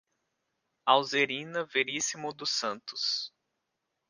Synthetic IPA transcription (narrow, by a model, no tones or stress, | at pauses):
awzeɾĩnɐveɾisimʊd̪ʊsɐ̃nt̪ʊ̥s